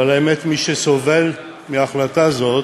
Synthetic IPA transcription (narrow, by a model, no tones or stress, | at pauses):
alaemet̪miʃeso̞ve̞l | miaχlat̪azot